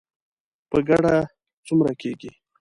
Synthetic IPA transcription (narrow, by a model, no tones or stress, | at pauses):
pəɡaɽa | t͡sumɾakeɡi